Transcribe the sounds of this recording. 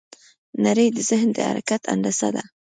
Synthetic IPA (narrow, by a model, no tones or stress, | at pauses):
naɾəjd̪əzɪhnd̪əha̰ɾakat̪ʰa̰ɳd̪asa̰d̪a